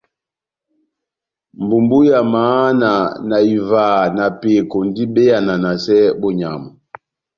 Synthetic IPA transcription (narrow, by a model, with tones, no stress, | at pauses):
m˨bu˨mbu˦ja˨maː˨˦na˨na˨i˨vaː˨na˨pe˨kɔ˨n˦di˦be˦ja˨na˨na˨sɛ˦bɔ˨ɲa̰˨mɔ˨